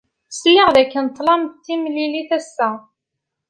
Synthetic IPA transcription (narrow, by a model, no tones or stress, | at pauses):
sjəʁðækːənt̪ˤːlɑmt̪ːimliliθæsːæ